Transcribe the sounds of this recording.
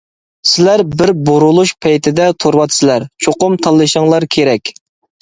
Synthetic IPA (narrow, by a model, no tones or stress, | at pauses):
sɪlæɾbɪɾboɾulˠuʃpʰɛjt̪ʰɪd̪ɛt̪ʰoɾwɑt̪sɪlæɾt͡ʃʰoqʊmt̪ʰɑlˠːɨʃəŋlˠɑɾkʲʰeɾɛkʲ